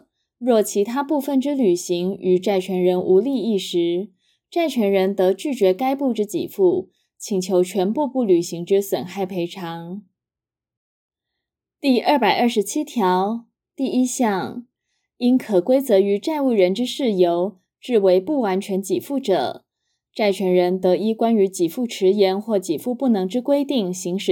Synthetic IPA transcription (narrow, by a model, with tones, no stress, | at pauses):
ɻwɔ˥˩t͡ɕʰi˧˥t̪ʰa˥pu˥˧fə˥˩nʈ͡ʂɻ̩˥ly˨˩ɕi˧˥ŋy˨˩ʈ͡ʂa˥˩ɪt͡ɕʰɥɛ˧˥nɻə˧˥nʔu˧˥li˥˧i˥˩ʂɻ̩˧˥ | ʈ͡ʂa˥˩ɪt͡ɕʰɥɛ˧˥nɻə˧˥nt̪ɤ˧˥t͡ɕy˥˩t͡ɕɥɛ˧˥ka˥ɪpu˥˧ʈ͡ʂɻ̩˥t͡ɕḭ˨˩fu˥˩ | t͡ɕʰi˨˩ŋt͡ɕʰjo˧˥ʊt͡ɕʰɥɛ˧˥npu˥˧pu˥˩ly˨˩ɕi˧˥ŋʈ͡ʂɻ̩˥swə˨˩nxa˥˩ɪpʰe˧˥ɪʈ͡ʂʰɑ˧˥ŋ | t̪i˥˩ɐ˥˩pa˨˩ɪʔɐ˞˥˩ʂɻ̩˧˥t͡ɕʰi˥t̪ʰjɑ˧˥ʊ | t̪i˥˩i˥ɕjɑ˥˩ŋ | i˥nkʰɤ˨˩kwe˥ɪt͡sɤ˧˥y˧˥ʈ͡ʂa˥˧ɪu˥˩ɻə˧˥nʈ͡ʂɻ̩˥ʂɻ̩˥˩jo˧˥ʊ | ʈ͡ʂɻ̩˥˩we˧˥ɪpu˥˩wa˧˥nt͡ɕʰɥɛ˧˥nt͡ɕi˨˩fu˥˩ʈ͡ʂɤ̰˨˩ | ʈ͡ʂa˥˩ɪt͡ɕʰɥɛ˧˥nɻə˧˥nt̪ɤ˧˥i˥kwa˥ny˧˥t͡ɕi˨˩fu˥˩ʈ͡ʂʰɻ̩˧˥jɛ˧˥nxwɔ˥˩t͡ɕi˨˩fu˥˧pu˥˩nɤ˧˥ŋʈ͡ʂɻ̩˥kwe˥ɪt̪i˥˩ŋɕi˧˥ŋʂɻ̩˨˩